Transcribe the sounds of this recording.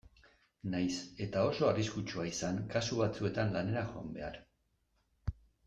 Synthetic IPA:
najse̞t̪ao̞so̞ariskut͡ʃuaisaŋkasuβ̞at͡sue̞t̪anlane̞ɾaʝoa̰mbe̞a̰ɾ

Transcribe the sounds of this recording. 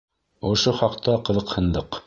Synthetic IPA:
ŏʃoχɑqt̪ɑqɤ̆ðɤ̆qhɤ̆nd̪ɤq

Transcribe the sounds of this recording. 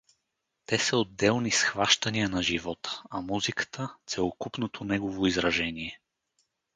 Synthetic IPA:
t̪ɛsəod̪ːɛlˠnisxvaʃt̪ɐnijənɐʒivɔt̪ə̥ɐmuzikə̥t̪ʰət̪sɛlˠokupnot̪ʰonɛɡovoizɾɐʒɛniɛ

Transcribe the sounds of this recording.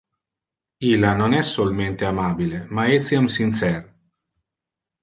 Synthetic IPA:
ilːanonɛsːolment̪eamaːbilemaet̪sjamsint̪sɛr

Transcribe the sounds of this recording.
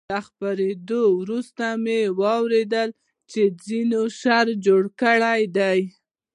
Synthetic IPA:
axpaɾed̪owɾust̪amewɑwɾed̪əl | t͡ʃed͡zinoʃɑɾd͡ʒoɽkəɽajd̪aj

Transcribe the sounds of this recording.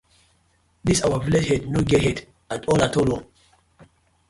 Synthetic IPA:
disawaviled͡ʒhɛdnoɡehɛd | atɔlatʰolo

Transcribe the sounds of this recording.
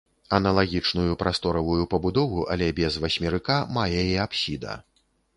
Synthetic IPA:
ɐnɐlˠaɣʲit͡ʂnujupɾʔast̪ɔɾɐvujupɐbud̪ɔvuʔɐlʲɛbʲɛzvɐsʲmʲiɾɨkamajɛiapsʲid̪ɐ̰

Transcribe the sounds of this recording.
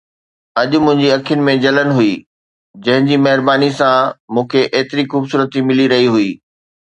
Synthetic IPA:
ɐʄʊ̆mʊ̃ɦɪ̃ɲd͡ʑiɐkʰijʊnɪ̆mẽd͡ʑɐlənɪ̆ɦuiː | d͡ʑɐ̃ɦɪ̃ɲd͡ʑimɐɦɪɾbaːnisãmũːkʰeʔeːt̪ɪɾixuːbsuːɾət̪imɪliɾɐɦiɦuiː

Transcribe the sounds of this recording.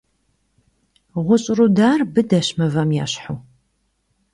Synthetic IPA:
ʁʷʊɕʼrudaːrbɨdɐɕmɐvɐmja̰ːɕħuː

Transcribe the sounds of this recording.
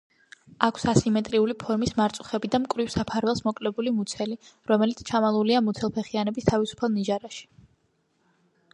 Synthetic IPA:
akʰsasimɛt̪ʼɾiulipʰɔɾmismaɾt̪sʼu̥χɛbid̪amkʼvɾifsapʰaɾvɛlˠsmɔkʼlɛbulimut̪sʰɛliɾɔmɛlit̪sʰt͡ʃʰamalˠuliamut̪sʰɛlˠpʰɛχianɛbist̪ʰavisu̥pʰalˠniʒaɾaʃi̥

